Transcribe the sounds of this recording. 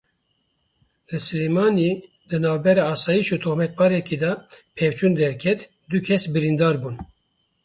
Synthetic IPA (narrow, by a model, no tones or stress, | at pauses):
d̪̥ɨsɨlemɑːni | d̪ɨnɑːvbɛɾɑːɑːsɑːjiʃut̪ʰoxmɛt̪̚pɑːɾɛkid̪ɑpʰevt͡ʃʰuːnd̪ɛɾkʲʰɛt̪ | d̪ukʰɛsbɨɾind̪ɑːɾbuːn